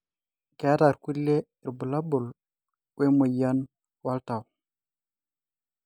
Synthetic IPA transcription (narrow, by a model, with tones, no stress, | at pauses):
ka˦ta˨ɾku˦lːe˦ | i˨ɾbu˨la˦bu˨l | wwe˦mu˨ja˦n | wa˦lta˨w